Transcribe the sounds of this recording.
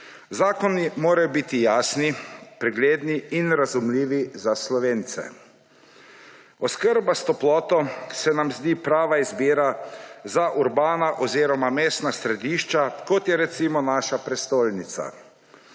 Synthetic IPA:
zaːkɔnimoːɾajɔbit̪ijaːsnipɾɛɡleːd̪niinɾazumliːʋizaslɔʋeːnt̪sɛ̰ | ɔskəɾbast̪ɔplɔːt̪ɔsɛnamzd̪iːpɾaːʋaizbiːɾazaʔuɾbaːnaʔɔziːɾɔmameːst̪nasɾɛd̪iːʃt͡ʃakɔt̪jɛɾɛt̪simɔnaːʃapɾɛst̪oːlnit̪sa̰

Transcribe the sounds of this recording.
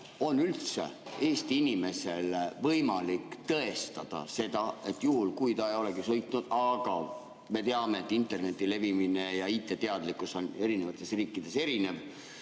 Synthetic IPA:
o̞nylt̪se̞̰e̞ːst̪iinime̞se̞levɤjmɑlikːˑt̪ɤ̞e̞st̪ɑd̪̥ɑ̰se̞d̪̥ɑe̞t̪ːˑjuɦulkujt̪ɑejo̞le̞ɡisojt̪ˑnud̪̥ɑɡ̥ɑ | me̞t̪e̞ɑme̞ːt̪ˑːint̪ːˑe̞rne̞t̪ːˑile̞vimine̞jɑiːt̪ːˑe̞t̪eɑd̪likːˑuso̞ne̞ɾine̞vɑt̪ːˑe̞sriːkːˑid̪̥e̞se̞ɾine̞v

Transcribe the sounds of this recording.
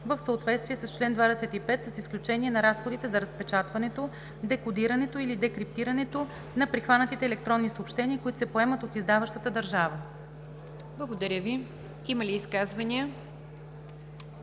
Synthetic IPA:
vəfsəot̪vɛt̪st̪viɛsəst͡ʃlɛnd̪vad̪ɛsɛt̪ipɛt̪səsisklʲut͡ʃɛnʲiɛnɐɾasxod̪it̪ɛzɐɾəspɛt͡ʃat̪vɐnɛt̪o | d̪ɛkod̪iɾɐnɛt̪oilid̪ɛkɾip̚t̪iɾɐnɛt̪o | nɐpɾixvanət̪it̪ɛːlɛk̚t̪ɾɔnːisəoːpʃt̪ɛniəkoit̪o̥sɛpoɛmət̪ot̪izd̪avəʃt̪ət̪əd̪ɐɾʒavə | blˠɐɡod̪ɐɾʲəvi | iməliːskazvɐniə

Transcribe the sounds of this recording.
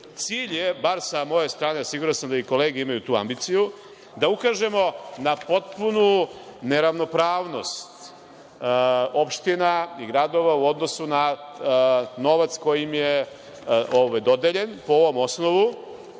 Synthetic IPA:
t̪siːʎje̞baɾsamo̞jest̪ɾaːneasiɡuɾansamd̪aiko̞leːɡeimajut̪uːa̰mbit̪siju | d̪aukaːʒe̞mo̞napo̞t̪̚punune̞ɾaʋno̞pɾaːʋno̞st̪ | opʃt̪inaiɡɾad̪o̞ʋauo̞d̪nosuna | no̞ʋat̪sko̞jimje | oʋajd̪o̞d̪eʎe̞npo̞oʋo̞mo̞sno̞ʋu

